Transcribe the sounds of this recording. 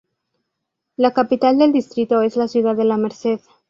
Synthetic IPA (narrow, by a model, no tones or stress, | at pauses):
lakapit̪ald̪e̞ld̪ist̪ɾit̪o̞e̞zlasjuðaðe̞lame̞ɾse̞ð